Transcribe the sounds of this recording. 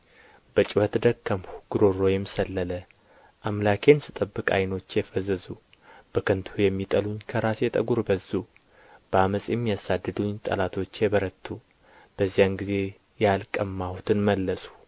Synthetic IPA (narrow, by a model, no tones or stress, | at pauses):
b̥ət͡ʃʼuwət̪d̪əkːəmhuɡ̥uɾo̞rːo̞jɛmːisəlːələ | ʔamlakʰe̞nsɨt̪ʼəbːɨkʼa̰jno̞t͡ʃːjɛfəzːəzu | b̥əkʰənt̪ʰujɛmːit̪ʼəluɲkʰəɾasjɛt̪ʼə̰ɡuɾbəzu | b̥əaməsʼjɛmːijasad̪ːɨd̪uɲt̪ʼə̰lat̪ʰo̞t͡ʃːjɛβəɾət̪ʰːu | b̥əzːijanɡize̞ | jalkʼəmːahut̪ʰɨnməlːəsʼu̥